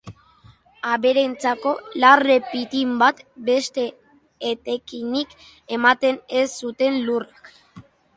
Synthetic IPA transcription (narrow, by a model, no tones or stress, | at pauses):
aβe̞ɾe̞nt͡sako̞lare̞pit̪imbat̪be̞st̪e̞ː | t̪e̞kinik | e̞mat̪e̞nesːut̪e̞nlurak